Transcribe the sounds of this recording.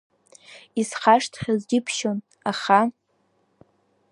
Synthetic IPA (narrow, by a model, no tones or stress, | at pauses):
isχaʂtʰχʲazɡʲɪpʰʃon | aχa